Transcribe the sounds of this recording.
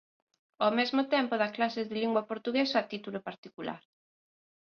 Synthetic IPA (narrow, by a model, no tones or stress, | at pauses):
omezmot̪ɛmpoðɐklasɪðɪliŋɡwapoɾt̪uɣesoat̪it̪ulopaɾt̪ikula̰ɾ